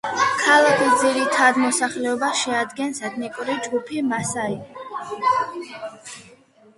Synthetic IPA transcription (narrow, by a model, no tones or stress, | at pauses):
kʰalˠakʰisd̪ziɾit̪ʰad̪mɔsaχlɛɔbaʃɛad̪ɡɛnsɛd̪ʰnikʼuɾid͡ʒɡupʰimasai